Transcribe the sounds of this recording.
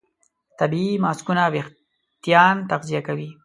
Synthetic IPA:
t̪abimɑːskunawex | t̪ijɑːnt̪aqzijakawi

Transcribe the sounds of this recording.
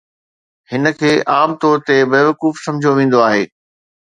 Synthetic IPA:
hɪnə̆kʰeːʔaːmt̪ɔːɾt̪ebeːʋɐkuːfsɐ̃md͡ʑʱjoʋẽːn̆d̪oaːɦeː

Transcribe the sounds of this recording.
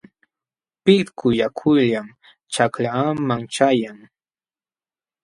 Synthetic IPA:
pɪɾkʊjakʰʊʎam | t͡ʃaklamaŋt͡ʃajaŋ

